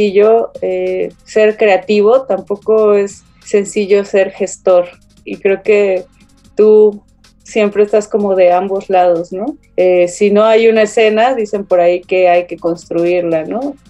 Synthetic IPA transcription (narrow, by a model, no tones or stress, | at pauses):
iʝo̞ese̞ɾkɾe̞at̪iβ̞o̞t̪ampo̞ko̞e̞sː | e̞nsiʝo̞se̞ɾxe̞st̪o̞ɾ | ikɾe̞oke̞ | t̪u | sje̞mpɾe̞ːst̪asko̞mo̞ðe̞ambo̞zlað̞o̞zno̞ | esino̞ajunaese̞naðise̞mpo̞ɾaike̞ajke̞ko̞nst̪ɾuiɾlano̞